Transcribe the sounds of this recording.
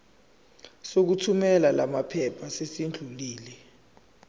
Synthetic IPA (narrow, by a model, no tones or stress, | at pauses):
sok̬utʰumɛlalamapʰɛpʰasesind͡ɮʱuliːlɛ